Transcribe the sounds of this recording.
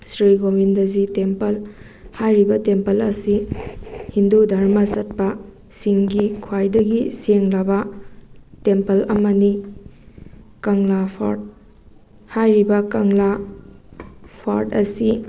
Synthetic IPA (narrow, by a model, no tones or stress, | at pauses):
sɾiɡobindɐzitempɐl | hajɾibɐtempɐlɐsi | hindudʱɐɾmɐsɐt̚pɐ | siŋɡikʰwajdɐɡiseŋlɐbɐ | tempɐlɐmɐni | kɐŋlapʰa̰ɾt̚ | hajɾibɐkɐŋla | pʰa̰ɾtɐsi